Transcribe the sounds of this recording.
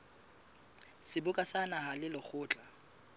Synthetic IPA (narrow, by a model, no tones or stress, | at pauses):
sɪbʊkʼasanaɦalɪlɔk͡xʰʊːt͡ɬʼa